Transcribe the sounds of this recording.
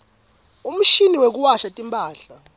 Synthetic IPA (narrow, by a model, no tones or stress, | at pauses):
um̩ʃiniwek̬uwaʃatʼimpʰʼaːɬa